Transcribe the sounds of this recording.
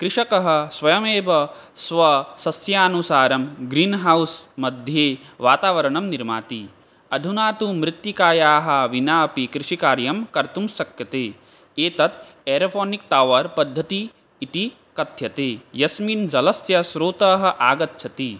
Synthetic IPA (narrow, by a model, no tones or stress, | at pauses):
kɾɪʂɐkɐɦɐ̆sʋɐjɐmeːbɐ | sʋɐsɐsjaːnusaːɾɐmɡɾiːnɦɐwsmɐd̪ʱjeːʋaːt̪aːʋɐɾɐɳɐmniɾma̰ːt̪i | ɐd̪ʱunaːt̪umɾɪt̪jikaːjaːɦɐ̆ʋinaːpikɾɪʂikaːɾjɐmkɐɾt̪umsɐkjɐt̪eː | eːt̪ɐt̪ | eːɾpʰoːnik̚t̪aːʋɐɾpɐd̪ʱːɐt̪iː | t̪i | kɐt̪jɐt̪eːjɐsmind͡ʒɐlɐsjɐsɾoːt̪ɐːɦɐ̆ʔaːɡɐt̪ːt͡ʃʰɐt̪i